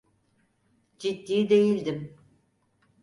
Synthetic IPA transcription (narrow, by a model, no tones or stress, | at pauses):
d͡ʒit̪ːiːd̪ejilʲd̪im